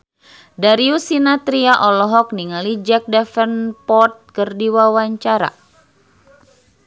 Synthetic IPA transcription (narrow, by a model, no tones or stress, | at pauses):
daɾiusinat̪ɾiaʔɔlɔɦɔk̚niŋalid͡ʒɛk̚dɛfənpɔt̪̚kərdiwawaɲt͡ʃaɾa̰